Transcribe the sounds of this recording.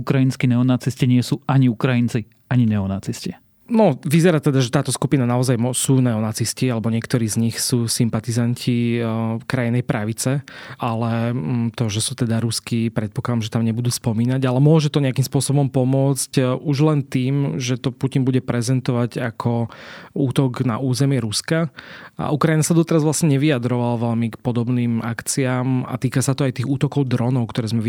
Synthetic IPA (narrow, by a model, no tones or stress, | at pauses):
ukɾajinskinɛɔnat͡sisciɲɪɛsuʔaɲiukɾajint͡si | aɲinɛɔnat͡sisci | nɔʋizɛɾat̪ɛd̪aʒɛt̪aːt̪ɔskupinanaɔzajmɔsuːnɛɔnat͡siscialɛbɔɲɪɛkt̪ɔɾiːzɲixsuːsimpat̪izancʰifkɾajinɛjpɾʔaʋit͡sɛalɛt̪ɔʒɛsuːt̪ɛd̪aɾuskipɾɛt̪̚pɔklad̪amʒɛt̪amɲɛbud̪uːspɔmiːnaɟalɛmʊɔʒɛt̪ɔɲɛakimspʊɔsɔbɔmpɔmʊɔt͡scuʒlɛnt̪iːmʒɛt̪ɔpucinbuɟɛpɾɛzɛnt̪ɔʋaɟakʰɔuːt̪ɔɡna̰ʔuːzɛmɪɛɾuskaʔa̰ʔukɾainasad̪ɔt̪ɛɾazʋlasɲɛɲɛʋiad̪ɾɔʋalaʋɛʎmikpɔd̪ɔbniːmakt͡siaːma̰t̪iːkasat̪ɔajt̪iːɣuːt̪ɔkɔʊd̪ɾɔnɔʊkt̪ɔɾɛːzmɛ